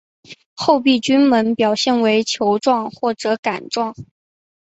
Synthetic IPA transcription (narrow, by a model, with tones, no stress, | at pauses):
xo˥˧ʊp̬i˥˩t͡ɕy˥nmə˧˥npjɑ˨˩ʊɕjɛ˥˩nwe˧˥ɪt͡ɕʰjo˧˥ʊʈ͡ʂwɑ˥˧ŋxwɔ˥˩ʈ͡ʂɤ˧˥ka˨˩nʈ͡ʂwɑ˥˩ŋ